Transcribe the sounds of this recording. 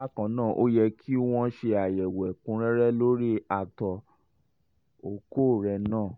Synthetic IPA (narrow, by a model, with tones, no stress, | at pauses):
a˦kã˨nãː˦˨ʔo˦jɛ˧kʰi˦w̃ɔ̃˧ʃe˧a˨jɛ˨wɛ˨kũ˨˦ɾɛ˦ɾɛ˦lo˦ɾi˦a˨tɔ˨ | o˨ko˦˨ɾɛ˧nãː˦˨